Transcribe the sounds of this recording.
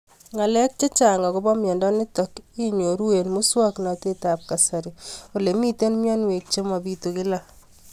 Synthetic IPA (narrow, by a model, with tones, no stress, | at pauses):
ŋa˨lɛ˦k̚t͡ʃe˦t͡ʃa˨ŋɡɔ˨kʊ˦bɔ˦mjɛ˨ndɔ˦nɪ˦tɔ˨ki˦ɲo˨ɾu˦e˨nmu˦swa˦kna˨te˦ta˨p̚ka˨sa˨ɾi˨o˨le˨mi˦te˦nmjɔ˦nwe˨k̚t͡ʃe˦ma˨bi˦tu˨kɪ˦la˦